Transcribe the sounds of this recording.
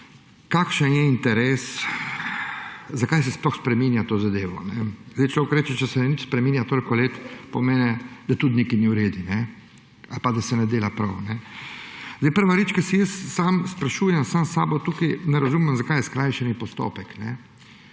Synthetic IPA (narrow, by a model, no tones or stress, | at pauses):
kakʃənjɛint̪ɛɾeːs | zakajsɛsplɔxspɾɛminjat̪oːzad̪eːʋɔ̰nɛzd̪ɛjt͡ʃlokɔɾɛt͡ʃɛt͡ʃɛsɛnɛnit͡ʃspɾɛmiːnjat̪oːlikɔleːt̪pɔmɛːnɛd̪̥at̪ut̪nikiniuɾeːd̪inɛ | alpad̪asɛnɛd̪eːlapɾawnɛ | zd̪eɪjpəɾʋaɾeːt͡ʃkasijəsːamspɾaʃuːjɛmsamsaːbɔt̪uːkinɛɾazumɛmzakaːjɛskɾaːjʃɛnipɔst̪o̰ːpɛknɛ